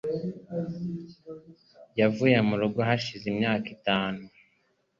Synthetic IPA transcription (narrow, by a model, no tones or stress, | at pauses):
javuːjemuɾuɡoɦaʃizimɲaːkitaːnu